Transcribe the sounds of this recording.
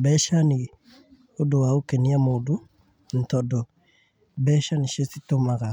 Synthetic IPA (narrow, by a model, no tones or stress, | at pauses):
bɛʃani | odowaokeniamoːdo | n̩tɔdɔ | bɛʃaniʃesitomaka